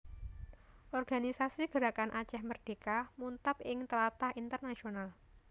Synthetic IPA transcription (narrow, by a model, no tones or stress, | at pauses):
ʔɔrɡ̥anisasiɡ̥ə̤ɾakanʔat͡ʃɛhmərd̥e̤kamunt̪apɪŋt̪əlat̪ahint̪ərnasional